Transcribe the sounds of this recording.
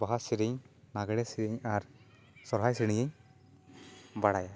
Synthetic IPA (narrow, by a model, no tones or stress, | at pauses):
baɦasiɾiɲ | naɡɛɽɛsiɾiɲaɾ | sɔɾɦajsiɽ̃iɲɛɲ | baɽaja